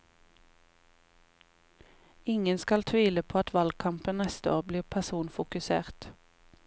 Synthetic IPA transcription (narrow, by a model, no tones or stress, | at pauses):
ɪŋənskɑlt̪ʰʋiːləpʰoːɑt̪ʋɑlɡ̚kʰɑmpənnɛst̪əoːʁbliːʁpʰæsuːnfʊkʉsḛːʁt̪